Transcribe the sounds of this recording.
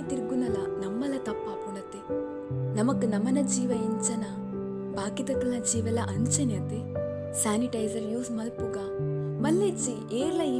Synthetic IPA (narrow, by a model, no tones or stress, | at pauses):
it̪iɾuɡunɐlɐnɐmːɐlɐt̪ɐpːɐpunɐt̪e | nɐmɐkunɐmɐnɐd͡ʒiːʋɐiɲt͡ʃɐnɐ | baːkit̪ɐk̪ɐlɐd͡ʒiːʋɐlɐʔɐɲt͡ʃɐnɐt̪e | saːniʈɐjd͡ʒɐɾjuːsmɐlpuɡaː | mɐlːet͡ʃːi | eːɾlɐji